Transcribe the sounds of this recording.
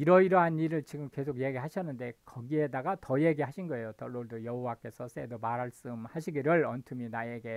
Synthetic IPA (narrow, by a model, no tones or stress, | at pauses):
iɾʌiɾʌɦaniɾɯɭt͡ɕiɡɯmke̞sʰoɡje̞ɡiɦaɕʰʌnːɯnde̞kʌɡie̞daɡatʌje̞ɡiɦaɕʰinɡʌe̞jotʌɭːoɭdojʌɦowak͈e̞sʰʌs͈e̞domaɾaɭs͈ɯmhaɕʰiɡiɾjʌɭʌntʰɯminajeɡe̞